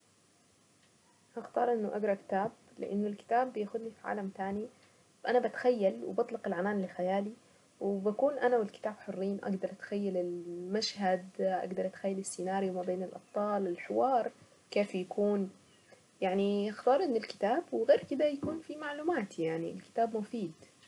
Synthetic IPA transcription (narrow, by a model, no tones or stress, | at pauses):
ʔɑxt̪ɑːɾˤʔɪnːʊʔaɡɾˤɑkɪ̥t̪aːb̚ | lɪ̰ʔa̰nːʊlkɪ̥t̪aːbːjaːxʊd̪nifiʕa̰ːlamt̪aːni | ʔanabat̪xajːalwɪ̰bɑt̪ˤlɑqɪlʕanaːnlɪxajaːli | wbakuːnʔanawɪlkɪ̥t̪aːbħʊrːiːnʔa̰ɡd̪ɑɾˤʔat̪xajːalɪlmaʃhad̪ʔa̰ɡd̪ɑɾˤʔat̪xajːalɪsːinaːɾjiwmabeːnɪlʔɑ̰b̥̚t̪ˤɑːlɪlħɪwɑːɾˤ | keːfjakʰuːn | jaʕniaxt̪ɑːɾˤʔɪnːʊlkɪ̥t̪aːbwɪɣeːɾkɪd̪ajakuːnfimaʕluːmaːt̪jaʕniɪ̰lkɪ̥t̪aːbmʊfiːd̪